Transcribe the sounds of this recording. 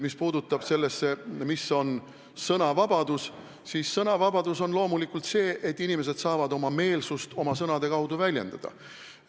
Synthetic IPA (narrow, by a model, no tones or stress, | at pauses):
mispuːd̪ut̪ːˑɑb̥se̞lːe̞sːe̞miso̞n | sɤnɑvɑb̥ɑd̪̥us | siːsːɤnɑvɑbɑd̪uso̞nlo̞ːmulikult̪se̞ːʔet̪ˑːinime̞s̬e̞d̪̥sɑːvɑd̪o̞mɑme̞ːlsust̪o̞mɑsɤnɑd̪e̞kɑwd̪uvælʲje̞̰nd̪̥ɑd̪̥ɑ̰